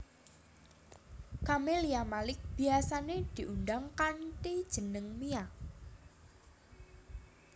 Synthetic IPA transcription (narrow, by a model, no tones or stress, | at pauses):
kameliamalɪk̚b̥i̤asaned̪̥i̤ʔundaŋkanʈid̥ʒ̥ənəŋmia